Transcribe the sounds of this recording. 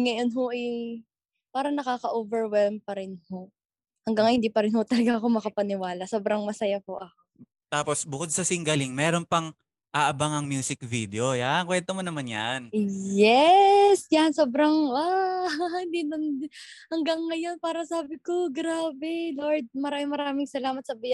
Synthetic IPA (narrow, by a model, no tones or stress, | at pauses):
ŋɐjo̞nɦoʔɛj | paːɾɐnɐkaːkɐʔoːvɛɹwɛlmpɐɾɪnho̞ | hɐŋɡaŋhɪnd̪iːpɐɾɪnho̞t̪ɐlɐɡaʔɐko̞mɐkɐpɐnɪwaːlɐsoːbɾɐŋmɐsɐjapoʔɐko | t̪aːpo̞sbʊkod̪̚sɐsɪŋɡɐlɪŋmɛːɾonpɐŋ | ʔaʔɐbaŋɐŋmjuːsɪk̚vid̪eo̞jankwɛnt̪omonɐmanja̰njɛsjɐnsoːbɾɐŋa | ɪnd̪inɐnhɐŋɡɐŋːɐjo̞npaːɾɐsaːbɪko̞ɡɾaːbɛloɹd̪̚mɐɾaːmɪŋmɐɾaːmɪŋsɐlaːmɐt̪̚sɐbɪjɐ